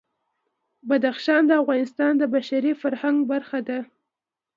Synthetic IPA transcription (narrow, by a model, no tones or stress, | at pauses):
bad̪axʃɑnd̪əavɣɑnɪst̪ɑnd̪əbaʃaɾifaɾhaŋɡbaɾxad̪a